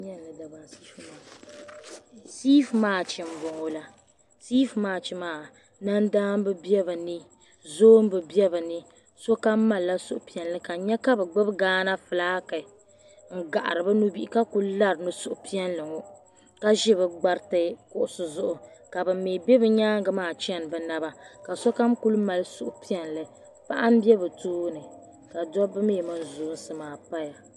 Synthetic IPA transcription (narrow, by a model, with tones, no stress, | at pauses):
ɲɛ˦n˨lɨ˨da˨ba˨sɨ̥˦fu˦ma˨ | siː˦fmaː˦˨t͡ʃɪ˨m˦bʊ˨ŋo˦la˨ | siː˦fmaː˦t͡ʃi˦maː˦˨ | na˦ndaː˦m˦bɨ˦bɛ˦bɨ˨nɨ˦ | zoː˦m˦bɨ˨bɛ˦bɨ˨nɨ˦ | so˦ka˦ma˦˨lla˦sʊ˦ʔʊ˨pi˨ɛ˨nlɨ˦ka˨ɲɛ˦ka˦bɨ˨ɡ͡bɨ˦bɡaː˦na˦fɨ˨laː˦kɨ˨ | ŋ̩˦ɡa˨ʔa̰˨ɾɨ˨bɨ˦nu˦bi˦ʔi˦ka˦ku˦lla˦ɾnu˦sʊ˦ʔʊ˨pi˦ɛ˦nlɨ˨ŋo˦ | ka˦ʒɪ˦bɨ˨ɡ͡ba˦ɾtɨ˦kʊ˦ʔʊ˨sʊ˨zʊ˦ʔʊ˨ka˨bɨ˨meː˨bɛ˦bɨ˦ɲaː˦ŋɡɨ˨maː˨t͡ʃɛ˦˨n˨bɨ˨na˦ba˨ka˨sɔ˦ka˦mku˦lma˨lɨ˦sʊ˦ʔʊ˦pi˦ɛ˨nlɨ˨ | pa˦ʔa˦m̩˦bi˦ɛ˦bɨ˨toː˦nɨ˨ | ka˨dɔ˦bɨ˦meː˦˨mɨ˦n˦zoː˨˦n̩˦sɨ˨maː˨pa˦ja˨